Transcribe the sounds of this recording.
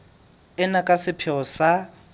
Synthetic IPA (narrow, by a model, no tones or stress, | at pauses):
ɪnakʼasɪpʰɛɔsa